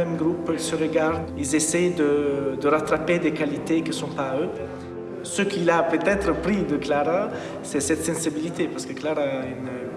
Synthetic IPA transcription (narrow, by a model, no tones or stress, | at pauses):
ɛmɡʁupilsəʁəɡaʁd̪ilzesɛjd̪əd̪əʁat̪ɾaped̪ekalit̪ekisɔ̃paø | səkilapøt̪ɛt̪ɾəpɾid̪əklaʁa | sɛsɛt̪sɛ̃sibilit̪epaʁsə̥kəklaʁayn